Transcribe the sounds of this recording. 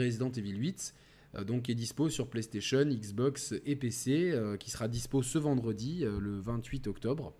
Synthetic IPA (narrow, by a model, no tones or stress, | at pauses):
ʁezid̪ɑ̃t̪evilwit̪ | d̪ɔ̃k̬ɛd̪isposyʁplest̪eʃɔniksbɔksepeseøkʲi̥səʁad̪isposəvɑ̃d̪ʁəd̪iøləvɛ̃t̪ɥit̪ɔkt̪ɔbʁ